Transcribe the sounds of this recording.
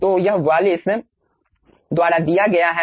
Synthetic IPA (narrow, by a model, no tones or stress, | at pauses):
oːjəɦʊʋaːlɪs | d̪ʊaːɽaːd̪ɪjaːɡɐjaːɦɛ